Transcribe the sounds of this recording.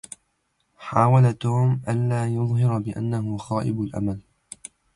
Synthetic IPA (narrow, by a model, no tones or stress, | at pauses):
ħaːwalat̪oːmʔanlaːjʊðˤɦɪɾbɪʔa̰nːaɦʊxaːʔɪ̰bʊlʔa̰mal